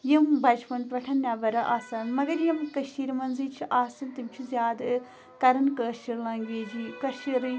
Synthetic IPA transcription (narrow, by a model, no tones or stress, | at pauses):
jimbʱɐd͡ʒpɐnpɾɐʈʰɐnnʲaːbɐɾɐʔaːsɐːnmɐɡɐɾjɐmkɐʃiɾmɐnzit͡ʃʰiʔaːsɐnt̪imt͡ʃʰuzjaːd̪ | kɐɾɐnkɐːʃiɾlɐːŋɡiːd͡ʒikɐʃiɾ